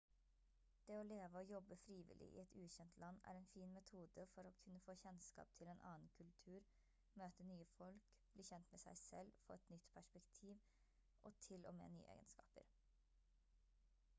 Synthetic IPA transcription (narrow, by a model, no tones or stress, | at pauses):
d̪̥eːɔleːʋəɔːjɔbːəfɾiːʋɪ̰lʔɪ̰ʔɪ̰ːɛt̪ʉːçɛnt̪ʰlɑnːæ̰ːɾɛːnfiːnmɛt̪ʰuːd̪əfɔɾokʰʉnːəfoːçɛnskɑ̰ːp̚t̪ʰɪleːnʔɑ̰ːn̩kʰʉlt̪ʰʉːɾ | møːt̪ənyːəfɔlk | b̥liːçɛnt̪meːsæ̰ɪsɛlfo̰ːɛt̪nʏt̪pʰæʂpɛkt̪ʰiːʋ | ʔɔt̪ʰɪlo̰ːmḛːny̰ːəʔḛːɡə̰nskɑ̰ːpə̰ɾ